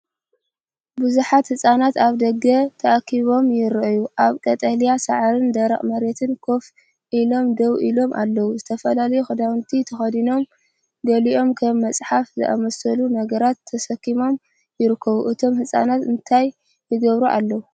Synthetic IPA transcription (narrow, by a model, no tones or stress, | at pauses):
bɨzuħat̪hɨsʼanat̪aβd̪ɐɡɐt̪ʰɐʔakʰiβo̞mjɪɾʔjuʔaβkʼɐt̪ʼɐlijasaʕaɾɨnd̪ɐɾɐχʼmɐɾet̪ʰɨnkʰo̞f | ʔilo̞md̪ɐwʔḭlo̞mʔa̰lːɐwuzɨt̪ʰɐfɐlalɐjuxɐd̪awɨnt̪ʰit̪ʰɐxɐd̪ino̞m | ɡɐliʔo̞mkʰɐmːɐt͡sʼħafzɨ̰ʔa̰mɐsɐlunɐɡɐɾat̪ʰːɐsɐkːimo̞m | jɪɾɨkʰːɐβuʔɨt̪ʰo̞mhɨsʼa̰nat̪ɨnt̪ʰajː | ɨɡɐβɾuʔa̰lːɐwu